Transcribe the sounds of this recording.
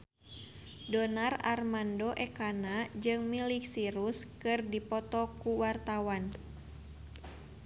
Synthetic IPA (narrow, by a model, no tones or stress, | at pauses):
dɔnararmandoʔɛkanad͡ʒɨŋmiliksiɾuskɨrdipɔt̪ɔkuwart̪awan